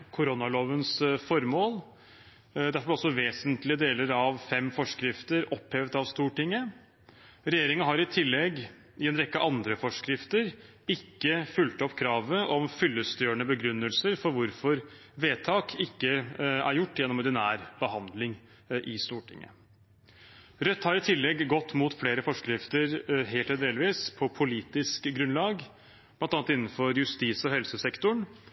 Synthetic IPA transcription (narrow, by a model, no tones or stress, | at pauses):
kʰʊɾɔnɑloːʋənsfɔɾmoːl | d̪æɾfɔb̪ɛɔsɔʋeːsənt̪lɪəd̪eːləɾɑʋfɛmːfɔʂkɾɪft̪əɾɔpheːʋd̪ɑʋst̪uːʈɪŋːə | ɾɛjeːɾɪŋənɦɑɾɪt̪ʰɪlːɛɡ | ɪɛnɾɛkːəʔɑnd̪ɾəfɔʂkɾɪft̪əɾ | ɪkːəfʉlt̪ɔpːkʰɾɑːʋəʔɔmfʏlːəst̪øːəɳəbəɡɾʉnːəlsəɾfɔɾʋʊɾfɔɾ | ʋeːt̪ʰɑːkʰɪkːəæ̰ɾjʊʈːjɛnːɔmɔɖ̪ɪnæːɾb̥əhɑnd̪lɪŋ | ʔɪst̪uːʈʰɪ̰ŋːə̰ | ɾœt̪ːhɑɾɪt̪ʰɪlːɛɡɡɔt̪ːmuːt̪fleːɾəfɔʂkɾɪft̪əɾɦeːlt̪ʰɛd̪eːlʋiːspʰɔpʰʊliːt̪ɪskɡɾʉnlɑːɡ | b̥lɑnt̪ɑnt̪ɪnːn̩fɔɾjʉst̪iːsɔɦɛlsəsɛkt̪ʊɳ